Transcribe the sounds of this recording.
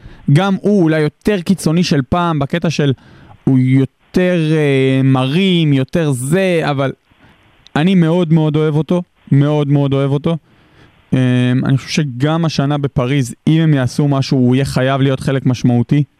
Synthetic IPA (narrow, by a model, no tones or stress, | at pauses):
ɡamuːlajːo̞t̪e̞ʁkit͡so̞niʃe̞lpaːmbake̞t̪aʃe̞lujo̞t̪e̞ʁemaʁimjo̞t̪e̞ʁze̞aval | anime̞o̞d̪me̞o̞do̞e̞vo̞t̪o̞ | me̞o̞d̪me̞o̞d̪o̞e̞vo̞t̪o̞ | ema̰niχoʃe̥ʃe̞ɡamaʃanabe̞paʁizime̞mjaːsumaʃuːije̞χajavlijo̞t̪χe̞lekmaʃmaut̪i